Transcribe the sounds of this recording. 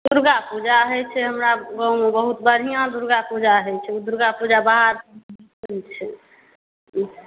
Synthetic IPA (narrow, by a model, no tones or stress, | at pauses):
d̪uɾɡapud͡ʒaəɦɛt͡ʃʰɛɦəmɾaɡɔ̃wmebəɦut̪̚bəɾ̤ɦijãd̪uɾɡapud͡ʒaəɦɛt͡ʃʰɛud̪uɾɡapud͡ʒabaɦaɾ | unt͡ʃʰɛ